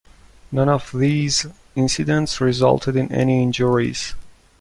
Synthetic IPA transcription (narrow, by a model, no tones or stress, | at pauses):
nʌ̃nʌvðiːz | ɪ̃nsɨdə̃ntsɹɪzʌ̰lˠtʰɨdɨ̃nɛ̰niɪ̃nd͡ʒəɹḭz̥